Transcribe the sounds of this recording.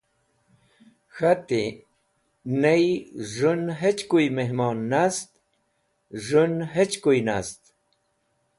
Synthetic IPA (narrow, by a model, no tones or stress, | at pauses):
xat̪i | nejʐʊnɦet͡ʃkʊjmehmonːast̪ | ʐʊnɦet͡ʃkʊjnast̪